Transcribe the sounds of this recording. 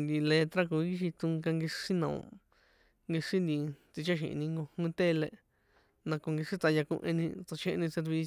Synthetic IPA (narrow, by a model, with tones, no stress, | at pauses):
nd̪i˧le˧t̪ɾa˦ku˨˦i˦ʃ̬i˧t͡s̪ũ˧ŋka˧ŋɡi˧ʂi˦nã˨õ̰˧ | ŋɡi˧ʂĩ˦nd̪ĩ˧t͡s̪i˧t͡ʃa˦ʃḭ̃˨ʔnĩ˧ŋɡo˧hũ˦t̪e˦le˧ | nã˧ko˧ŋɡi˧ʂi˦t͡sa˧ja˧kṵ̃˧ʔḛ̃˧nĩ˧t͡sa˧t͡ʃʰẽ˧ʔnĩ˧se˧ɾβi˧